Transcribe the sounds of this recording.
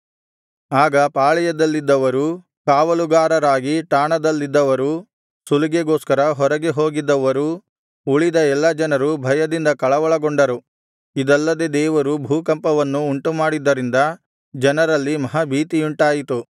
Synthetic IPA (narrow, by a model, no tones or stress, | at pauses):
aːɡɐpaːɭɛjɐd̪ɐlːid̪ːɐʋɐɾu | kaːʋɐluɡaːɾɐɾaːɡiʈaːɳɐd̪ɐlːid̪ːɐʋɐɾu | suluɡeɡo̞ːskɐɾɐɦɔɾɐɡeɦo̞ːɡid̪ːɐʋɐɾu | uɭid̪ɐɛlːɐd͡ʒɐnɐɾubʱɐjɐd̪ind̪ɐkɐɭɐʋɐɭɐɡoɳɖɐɾu | id̪ɐlːɐd̪e̞d̪ɛːʋɐɾubʱuːkɐmpɐʋɐnːuːɳʈumaːɽid̪ːɐɾind̪ɐ | d͡ʒɐnɐɾɐlːimɐɦɐbʱiːt̪iuɳʈaːjit̪u